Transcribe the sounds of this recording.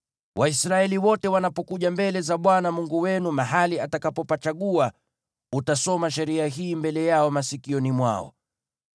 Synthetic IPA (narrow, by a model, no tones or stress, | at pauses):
wʔaisɾaɛliwɔtɛwanapɔkuʄambɛlɛzaɓwanamuŋɡuwɛnumaɦaliatakapɔpat͡ʃaɠua | utasɔmaʃ̬ɛɾiaɦiːmbɛlɛjaɔmasikiɔnimwa̰ɔ̰